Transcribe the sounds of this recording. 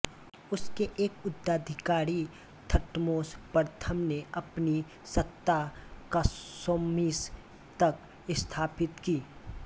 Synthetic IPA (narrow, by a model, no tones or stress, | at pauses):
ʊskeʔeːkʊd̪ːaːd̪ʱɪkaːɾi | t̪ʰɐʈmoːspəɾt̪ʰəmneɐpni | sɐt̪ːakasoːmiːs | t̪ɐk̚ | ɪst̪ʰaːpɪt̪kiː